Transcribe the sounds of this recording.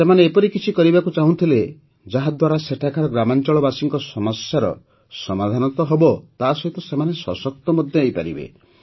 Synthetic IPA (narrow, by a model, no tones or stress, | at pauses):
semaneːpɔɾikit͡ʃʰikɔɾibakut͡ʃaɦũt̪ʰile | d͡ʒaɦad̪waɾaseʈʰakʰaɾɔɡɾamant͡ʃɔɭɔbasiŋkɔsɔmɔsjaɾɔ̰ | sɔmad̪ʱanɔt̪ɔɦɔbɔt̪asɔɦit̪ɔsemaneswɔ̰sɔk̚t̪ɔmɔd̪ʱjɔejpa̰ɾḭbḛ